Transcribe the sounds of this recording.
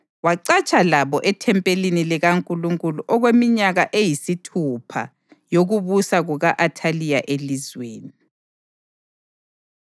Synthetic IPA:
waǀat͡ʃʼalaβɔʔɛtʰɛmpʼeliniliɣaŋkʼuluŋkʼuluʔɔɣwemiɲaɣaʔejisitʰupʰa̰ | joɣuβusaɣuɣaʔatʰalijaʔelizweːni

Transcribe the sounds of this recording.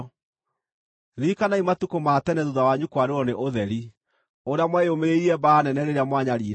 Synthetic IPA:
ðikanaimatukomaːtɛnɛðuðawaɲukwaɾeɾɔneʔoðɛɾi | oɾeamwɛeomeɾeiɾiɛbanɛnɛɾeɾeamwaɲaɾiːɾ

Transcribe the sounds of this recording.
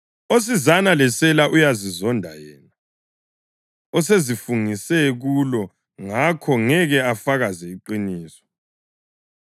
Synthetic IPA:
os̬izanalɛsɛlaʔujazizɔndʱa̰jɛ̰ːna | ɔsezifuŋisɛɣulɔ | ŋakʰɔŋɛɣɛafaɣazɛiǃiniːsɔ̥

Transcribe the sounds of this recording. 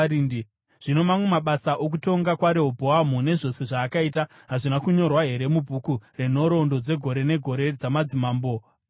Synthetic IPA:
idi | ʐ̥ino̞mamwe̞maɓasaʔok̬uto̞ŋɡakwaɾeɦobʱoamune̞ʐo̞se̞ʐaːkaita | ɦaʐinakuɲo̞rwaɦe̞ɾe̞mubʱukureno̞ɾo̞ndo̞d͡ze̞ɡʱo̞ɾene̞ɡʱo̞ɾe̞d͡zamad͡zimaːmbo̞

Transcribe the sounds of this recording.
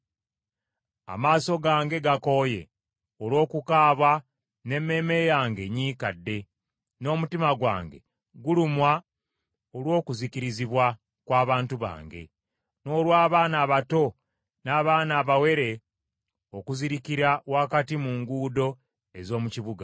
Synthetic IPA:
a̰maːso̞ɡaːŋɡe̞ɡako̞je̞̰ | olwo̞ːkukaːβwa | ne̞mːe̞ːme̞jaːŋɡe̞ɲiːkadːe̞ | no̞ːmutimaɡwa̰ːŋɡe̞̰ | ɡulumwa | olwo̞ːkuziciɾiziβwa | kwaːβaːntuβa̰ːŋɡe̞̰ | no̞ːlwaːβaːnaːβato̞ | naːβaːnaːβawe̞ɾe̞ | o̞kuziɾikiɾawakatimuŋɡuːdo̞ | e̞zo̞ːmuciβuɡa

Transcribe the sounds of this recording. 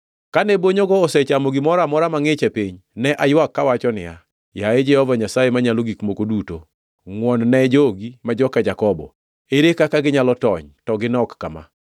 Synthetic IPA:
kanɛboɲoɡɔːsɛt͡ʃamoɡimɔɾamɔɾamaŋɪt͡ʃɛpiɲnɛʔajwakːawat͡ʃɔnɪ̰ja̰ | jaed͡ʒɛhɔvaɲasajemaɲaloɡikmokoduto | ŋwɔnnɛd͡ʒoɡimad͡ʒɔkad͡ʒakɔbɔ̰ | eɾekakaɡɪɲalɔtɔ̰ɲtɔɡɪnɔkːama̰

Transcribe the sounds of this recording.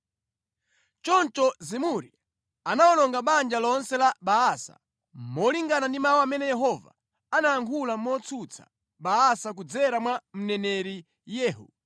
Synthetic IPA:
t͡ʃɔnt͡ʃɔzimuɾḭ | anaɔnɔŋɡaɓand͡ʒalɔnsɛlaɓaasa̰ | mɔliŋɡanandimawɔamɛnɛjɛɦɔva̰ | anaaŋkʰulamɔt͡sʰut͡sʰḁ̰ | ɓaasak̬ud͡zɛɾamwam̩nɛnɛɾi | jɛːɦṵ

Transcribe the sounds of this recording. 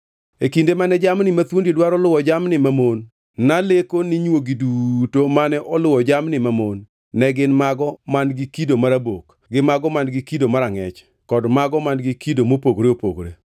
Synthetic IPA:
ekindemanɛd͡ʒamnɪmat̪wondedwaɾɔlʊwɔd͡ʒamnɪmamonː | alekonɪɲwoɡidutomanɛʔɔlʊwɔd͡ʒamnɪmamonː | ɛɡɪnmaɡɔmanɡɪkidomaɾabok | ɡɪmaɡɔmanɡɪkidomaɾaŋɛt͡ʃ | kɔdmaɡɔmanɡɪkidomopoɡɾeopoɡɾe

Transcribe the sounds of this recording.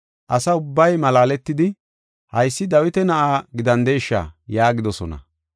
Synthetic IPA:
ʔɐsɐʊbːɐjmɐlaːlɛt̪ːɪd̪ɪ | hɐjsːɪd̪ɐwɪt̪ɛnɐʔaːɡɪd̪ɐnd̪ejʃːa̰jaːɡɪd̪ɔsɔnɐ̰

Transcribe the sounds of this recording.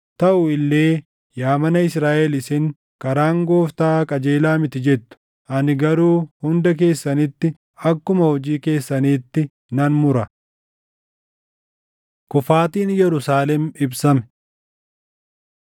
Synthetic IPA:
t̪ɐʔʊɪlːe̞ː | jaːmɐnɐɪsɾaːʔɛlɪsɪŋ | kɐɾaːŋɡo̞ːft̪aːkʼɐd͡ʒeːlaːmɪt̪ɪd͡ʒɛt̪ːʊ̥ | ʔɐnɪɡɐɾuːhʊnd̪ɐk̬e̞ːsːɐnɪt̪ːɪ | ɐkːʊmɐhɔd͡ʒiːke̞ːsːɐniːt̪ːɪ | nɐnmʊɾɐ | kʊfaːt̪iːnjɛɾʊsaːlɛmɪbsɐmɛ̥

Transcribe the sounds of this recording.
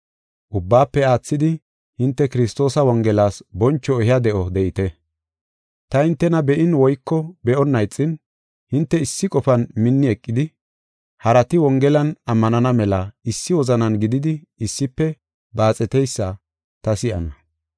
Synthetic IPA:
ʔʊbːaːpːɛaːt͡sːɪd̪ɪ | hɪnt̪ːɛkɪɾɪst̪o̞ːsɐwɔŋɡɛlaːsbɔnt͡ʃːɔɛhɪjɐd̪ɛʔɔd̪ɛʔɪt̪ɛ | t̪ɐhɪnt̪ːɛnɐbɛʔɪnwɔjkːɔbɛʔɔnːɐjt͡sʼːɪn | hɪnt̪ːɛɪsːɪkʼɔfɐnmɪnːɪɛkʼːɪd̪ɪ | hɐɾɐt̪ɪwɔŋɡɛlɐnɐmːɐnɐnɐmɛlɐɪsːɪwɔzɐnɐnɡɪd̪ɪd̪ɪ | ɪsːɪpːɛ | baːt͡sʼɛt̪ɛjsːɐ | t̪ɐsɪʔɐ̰nɐ

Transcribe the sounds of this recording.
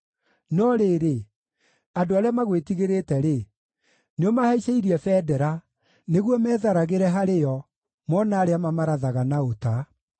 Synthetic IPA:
nɔɾeːɾe | adoaɾeamaɣwetiɣeɾetɛɾe | neɔmahaiʃeiɾiɛfɛːdɛɾa | neɣwɔmɛːðaɾaɣeɾɛɦaɾejɔ | mɔnaːɾeamamaɾaðaɣanaota

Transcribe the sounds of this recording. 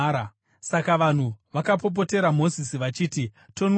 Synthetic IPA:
ɾ | sakaʋan̤uʋakap̬o̞p̬o̞te̞ɾamo̞zisiʋat͡ʃiːti | to̞n

